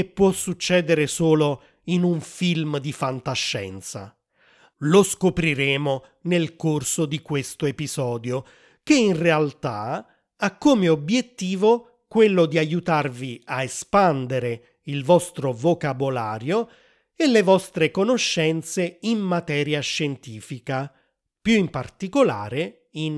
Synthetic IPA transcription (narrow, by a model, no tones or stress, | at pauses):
epːwɔsːut͡ʃːɛːd̪eɾesoːlo | inuɱfilmd̪ifant̪aʃːɛ̰nt̪sa̰ | loskopɾiɾeːmo | nelkorsod̪ikwest̪oepizɔːd̪jo | keinrealt̪a̰ | akːomeobjet̪ːiːvo | kwelːʊd̪iajut̪arviaespand̪eɾe | ilvɔst̪ɾovokabolaːɾjo | elːevɔst̪ɾekonoʃːɛnt̪seimːat̪ɛːɾjaʃːent̪iːfika | pjuimpart̪ikolaːɾe | in